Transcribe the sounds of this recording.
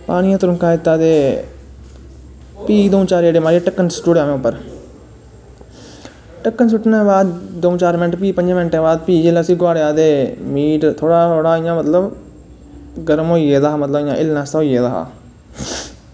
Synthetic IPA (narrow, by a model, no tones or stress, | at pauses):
paːɽ̃ĩːãːt̪ʊɾʊ̃ŋkʰaːɪt̪ːaːd̪eː | piːd̪oːũːt͡ʃaːɾeːɽeːmaːɾeːʈəkːənsʈuːɽjãːmẽːʊpːəɾ | ʈəkːənsʊʈnãːbaːd̪d̪oũt͡ʃaːɾmɪnʈpiːpəɲd͡ʒmɪnʈẽːbaːd̪̚piːd͡ʒeːləsiːɡwaːɽeaːd̪eːmiːʈt̪ʰoːɽaːoːɽaːɪjãːmət̪ləb | ɡəɾəmɦoːiːeːd̪aːaːmət̪ləbɪjãːʔɪlnãːst̪ːɦoːiːeːd̪aːɦa̰ː